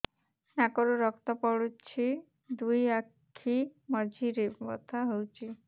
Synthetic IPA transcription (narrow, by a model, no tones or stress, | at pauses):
nakɔɾuɾɔkt̪ɔpɔɽut͡ʃʰi | d̪ujakʰimɔd͡ʒʱiɾebɔ̰t̪ʰaɦewt͡ʃʰi